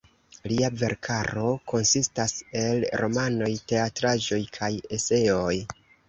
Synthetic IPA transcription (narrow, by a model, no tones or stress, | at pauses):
liave̞ɾkʰaɾo̞ko̞nsistase̞lɾo̞mano̞jte̞atɾad͡ʒo̞jkʰaje̞se̞o̞j